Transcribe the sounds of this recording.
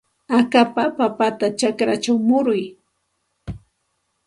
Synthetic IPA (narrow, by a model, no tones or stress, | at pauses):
akapapapat̪at͡ʃakɾat͡ʃawmʊɾʊj